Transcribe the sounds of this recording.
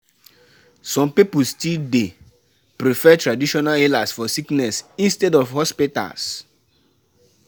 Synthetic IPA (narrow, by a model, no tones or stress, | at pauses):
sɔ̃mpipustilde | pɾifɛtɹadiʃɔnalelasfɔsiknɛsĩnstɛdɔfhɔspita̰s